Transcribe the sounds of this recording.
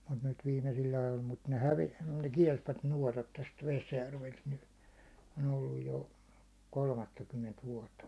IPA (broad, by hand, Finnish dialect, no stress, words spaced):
mut nyt ʋiːmesilː ɑjol mut ne hæʋe ne kiɛlsʋæt nuɒtɑt tæst ʋesjærʋelt ny n on olːuj jo kolmɑtːɑkymːent ʋuɒtːɑ